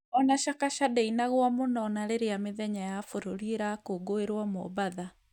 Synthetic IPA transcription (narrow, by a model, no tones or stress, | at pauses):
ɔnaʃakaʃadɛinaɣwamonɔnaɾeɾejameðɛɲajafoɾoɾieɾakoɡoeɾwamɔ̰βaða